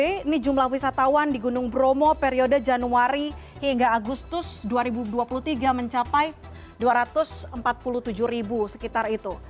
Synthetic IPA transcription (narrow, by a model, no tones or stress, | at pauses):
ɪinid͡ʒumlahwisat̪awandiɡunʊŋbɾomopeɾiodəd͡ʒanuaɾihiŋɡaːɡust̪ʊsduaɾibuduapulut̪iɡaməɲt͡ʃapaj | duaɾat̪ʊsəmpat̪̚puluht̪ud͡ʒʊhribusə̥kit̪arit̪u